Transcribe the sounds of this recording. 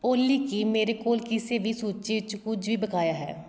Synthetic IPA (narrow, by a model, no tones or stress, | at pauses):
oːlːiːkiːmeːɾekoːlkɪseːʋʱiːsuːt͡ʃeɪt͡ʃkʊd͡ʒʋiːbəkaːjaːɦɛ̰ː